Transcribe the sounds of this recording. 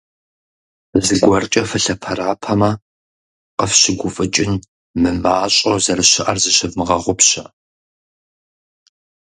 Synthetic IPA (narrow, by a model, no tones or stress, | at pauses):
zɨɡʷɔrt͡ʃʼɐfɐɬɐpʰɐraːpʰɐmɐ | qəfɕɪɡʷʊfʼɨt͡ʃʼɪn | mɨmaːɕʼozɐrɨɕɪʔɐrzɨɕɪvmɨʁɐʁʷʊpɕɐ